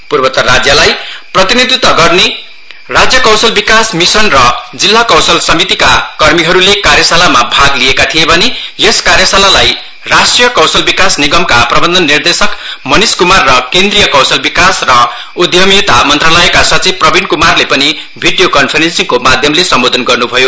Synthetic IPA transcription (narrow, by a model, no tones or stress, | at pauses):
purbʌt̪ʌrad͡zjʌlajprʌt̪inid̪ʱut̪ːʌɡʌrne | rad͡zjʌkʌw̃sʌlbikasmisʌnrʌd͡zilːakʌwsʌlsʌmit̪ika̰kʌrmiɦʌɾulekaɾjʌsalamabʱaɡliekat̪ʰijebʱʌnejeskaɾjʌsalalaj | rasʈijʌkʌw̃sʌlbikasniɡʌmkaprʌbʌnd̪ʱʌnːird̪esʌkmʌniskumarːʌkend̪rijʌkʌw̃sʌlbikasrʌ | ud̪ʱjʌmit̪amʌnt̪ralʌekasʌt͡siprʌbʱinkumarlepʌni | bʱiɖijokʌnpʰeɾensiŋkomad̪ʱjʌmlesʌmbod̪ʱʌnɡʌrnubʱʌjo